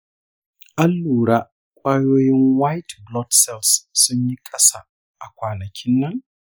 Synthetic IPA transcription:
ʔa˦lːuː˨ɽaː˦ | kʷʼaː˦joː˦jɪ˦ŋwa˦jtblɔ˦tsɛ˦lsːʊ˦ɲji˦kʼɐ˦sa˦˨ | ʔa˨kʷaː˨nɐ˨kʲʰɪ˦nːɐ˦ŋ

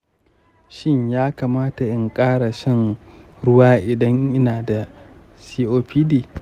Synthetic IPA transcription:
ʃɪ˦ɲjaː˦kaː˨maː˦ta˨ʔɪ˨ŋkʼaː˦ɽa˨ʃɐ˦n | ɽʊ˦waː˦ʔɪ˨dɐ˦ɲʔɪ˦naː˨da˨ | siː˦ʔoː˦ɸʰiː˦diː˦˨

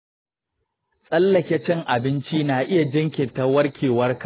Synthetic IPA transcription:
sʼɐ˦lːɐ˨kʲɛ˦t͡ʃɛ˦ŋʔa˨bɪ˦nt͡ʃiː˦na˨ʔɪ˦ja˨d͡ʒɐ˦ŋkʲɪ˨ta˦wɐ˦rkʲʰeː˨wɐ˦rka˨

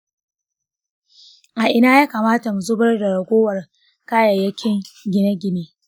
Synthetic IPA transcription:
ʔa˨ʔɪ˨naː˦jaː˦ka˨maː˦ta˨mu˨zʊ˦bɐ˦rda˨ɽɐ˨ɡʷoː˦wɐ˨r | kaː˦jɐ˨jɐ˦kʲʰɪ˦ŋɡʲɪ˦nɐ˦ɡʲɪ˦neː˦

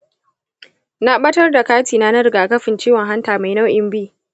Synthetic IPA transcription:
na˦ɓɐ˦tɐ˦rda˨kaː˦tiː˨na˦nɐ˦ɾɡa˨kɐ˦ɸɪ˨nt͡ʃiː˦wɐ˨ŋɦa˦ntaː˨ma˨jna˦wʔɪ˨mbiː˦

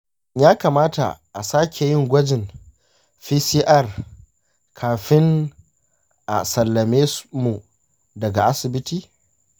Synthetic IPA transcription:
jaː˦kaː˨maː˦ta̰˨ʔa˨saː˦kʲe˨jɪ˦ŋɡʷɐ˦d͡ʒɪ˨n | ɸiː˦siː˦ʔa˦˨r | kʰaː˨ɸɪ˦ŋ | ʔa̰˨sɐ˨lːɐ˨meː˦mu˨ | dɐ˨ɡa˨ʔa˦sɪ˨bɪ˦tiː˨

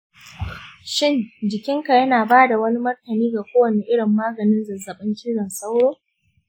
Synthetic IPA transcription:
ʃɪ˦˨nd͡ʒɪ˨kʲɪ˦ŋka˨jɐ˦naː˨baː˦da˨wɐ˦ni˦mɐ˦rtɐ˨niː˦ɡa˨kʷoː˦wɐ˨ne˦ʔɪ˦ɽɪ˨mːaː˦ɡɐ˨nɪ˦nzɐ˨zːɐ˨ɓɐ˦ŋkʲiː˦ɽɐ˨nsa˦wɽoː˦

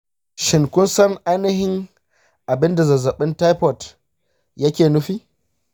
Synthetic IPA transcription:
ʃɪ˨ŋkʷʊ˦nsɐ˦ŋʔa˦jnɪ˦ɦɪ˦ŋ | ʔa˨bɪ˦nda˨zɐ˨zɐ˨ɓɪ˦nta˦jɸɔ˨t | jɐ˦kʲeː˨nʊ˦ɸiː˦

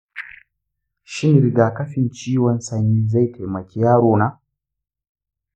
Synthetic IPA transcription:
ʃi˦ni˨ɾi˨ɡa˨ka˦fi˦n˨t͡ʃi˦wa˦n̩˦sa˨ɲi˨za˦i˦tʰe˨ma˨ci˨ja˦ɾo˦˨na˦

